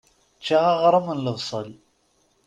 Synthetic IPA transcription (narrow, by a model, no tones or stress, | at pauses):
t͡ʃːaʁɑʁɾˤəmənləvsˤəl